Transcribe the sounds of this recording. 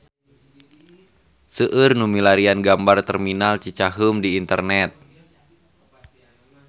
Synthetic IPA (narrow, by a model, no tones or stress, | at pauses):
səʔɨrnumilaɾianɡambart̪ərminalt͡ʃit͡ʃaɦumdiːnt̪ərnɛt̪̚